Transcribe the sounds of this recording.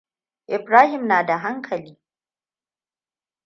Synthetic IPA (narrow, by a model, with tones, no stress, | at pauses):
ʔɪ˨bɾaː˦hɪ˨mnaː˨da˨ɦa˦ŋkʰɐ˨liː˦